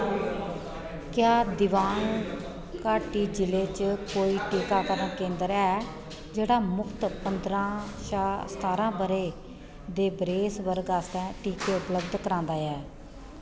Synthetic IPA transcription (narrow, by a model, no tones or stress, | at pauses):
kjaːd̪ɪʋaːn | kaːʈiːd͡ʒɪleːt͡ʃkoːiːʈiːkaːkəɾəɳkẽːnd̪əɾɛː | d͡ʒeːɽaːmʊkʰt̪pənd̪ɾãːʃaːst̪aːɾãːbəɾeː | d̪eːbɾeːsʋəɾɡaːst̪ɛ̃ːʈiːkeːʊpləbd̪kəɾãːnd̪aːɛː